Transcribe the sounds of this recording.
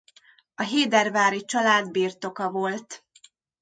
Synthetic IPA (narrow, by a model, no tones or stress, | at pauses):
ɒɦeːd̪ɛrvaːɾit͡ʃɒlaːd̪biːrt̪o̞kɒvo̞lt̪